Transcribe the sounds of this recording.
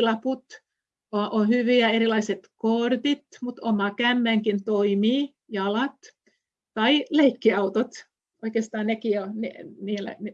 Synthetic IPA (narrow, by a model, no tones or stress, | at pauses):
lɑput̪ | oʔonhyʋiæeɾilɑiset̪kort̪it̪mut̪omɑkæmːæŋkint̪oimiː | jɑlɑt̪ | tɑileikːiɑut̪ot̪ | oikest̪ɑːnnekioneniːlːæ̰n